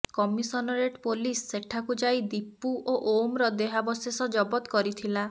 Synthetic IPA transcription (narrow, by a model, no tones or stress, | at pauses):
kɔmisɔnɔɾeʈpolisːeʈʰakud͡ʒajd̪ipːuʔoʔomɾɔd̪eɦabɔsesɔd͡ʒɔbɔt̪kɔɾit̪ʰila